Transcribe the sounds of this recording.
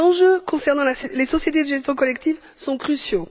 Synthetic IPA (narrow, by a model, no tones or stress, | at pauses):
ɑ̃ʒøkɔ̃sɛʁnɑ̃laslesɔsjet̪̬ed̪əʒɛst̪jɔ̃kɔlɛkt̪iv | sɔ̃kχysjo